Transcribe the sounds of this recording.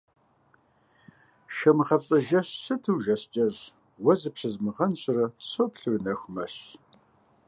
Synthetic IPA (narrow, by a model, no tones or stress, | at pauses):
ʃɐmɨχɐp̚t͡sʼɐʒɐɕsɨtʰɨwʒɐɕt͡ʃʼɐʑ | wɐzɨpɕɐzmɨʁɐnɕrɐɕopɬɨrnɐxʷmɐɕ